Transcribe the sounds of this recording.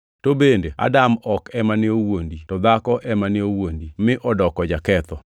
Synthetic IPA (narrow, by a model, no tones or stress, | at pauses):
tobendea̰damɔkɛmanɪowonditɔd̪akɔʔɛmanɪowondimɪʔɔdɔkɔd͡ʒakɛt̪ɔ